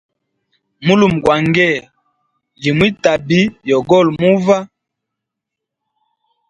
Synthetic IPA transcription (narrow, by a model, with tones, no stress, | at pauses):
mu˦lu˨m˨ɡwa˨ŋɡɛ˦˨ | li˨mwi˦ta˨bi˦jɔ˨ɡɔ˦˨lmu˦va˦